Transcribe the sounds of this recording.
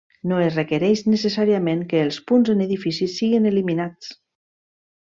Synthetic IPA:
noezrekeɾɛjʃnəs̬esaɾiamẽŋkəːlˠspunzəneðifisisiɣineliminat͡s

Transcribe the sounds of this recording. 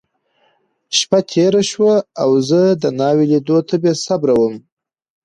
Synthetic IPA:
ʃpat̪ʰeɾaʃwaawzəd̪ənɑwelid̪ot̪ʰabjesabɾawəm

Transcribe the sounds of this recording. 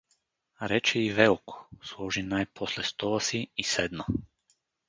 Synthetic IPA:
ɾɛt͡ʃɛiʋɛukʰɔ̥slˠoʒinajpʰoslɛst̪ɔlasiːsɛd̪na

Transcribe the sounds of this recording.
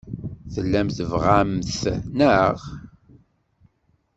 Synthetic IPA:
θəlːæmθəvʁamθnəʁ

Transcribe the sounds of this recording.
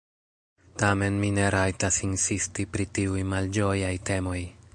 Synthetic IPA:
tame̞nmine̞ɾajtasinsistipɾitiujmald͡ʒo̞jajte̞mo̞j

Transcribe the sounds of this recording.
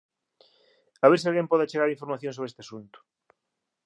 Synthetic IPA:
aβeɾs̬ialɣẽmpɔðeat͡ʃeɣaɾiɱfoɾmaθjõnsoβɾest̪easunt̪ʊ̥

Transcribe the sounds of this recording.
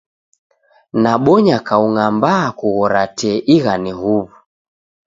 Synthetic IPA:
naɓɔɲakauŋambakuɣɔɾatɛʔiɣanihuβu

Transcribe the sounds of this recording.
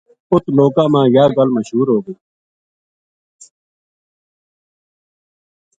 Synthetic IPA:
ʊt̪loːkãːmãːjaːɡəlməʃɦuːɾɦoːɡeː

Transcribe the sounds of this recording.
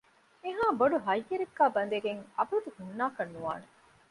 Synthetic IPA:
eɦaːboɖuɦɐjːeɾeɡːaːbɐnd̪eɡeŋɐ̰bud̪uhunːaːkɐnːuʋa̰ːne

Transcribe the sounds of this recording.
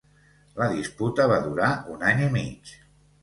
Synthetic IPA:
ləðisput̪əβ̞aðuɾaunaɲimit͡ʃ

